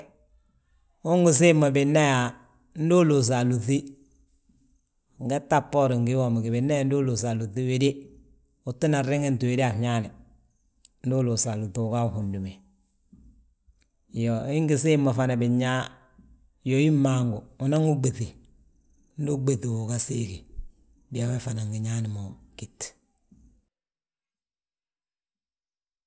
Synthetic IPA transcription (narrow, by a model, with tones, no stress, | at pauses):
ʊ˦ŋɡɪ˨s̬ɪ˦ma˨bɪ˨nːa˦ja˨ | n̩˦do˦lu˨s̬a˨lu˨θi˦˨ | ŋ˨ɡɛ˦tːa˦pːɔ˦ɾɪ˨ŋɡɪ˦wɔ˨m˨ɡɪ˨bɪ˨nːa˦ja˦n˦du˦lu˨sa˨lu˨θi˦we˨de˦ | ʊ˨ti˦na˨ɪ˦ŋe˦n˨tu˨we˨de˦a˨ɲa˦nɛ˨ | n̩˦du˦lu˨sa˨lu˨θu˨ka˦˨hu˨ndu˨me˨ | joɪ˦ŋɡi˨si˦mːo˨fa˨na˨bɪ˨ɲa˦ | jo˨ji˦mːa˨ŋɡu˨u˨na˦ŋu˦ɡ͡be˨ti˨ | n̩˦du˦ɡ͡be˨ti˨u˨ka˨si˦ki˨ | bi˨a˨we˦fa˨na˨ŋɡi˨ɲa˦nɪ˨mo˨ki˨t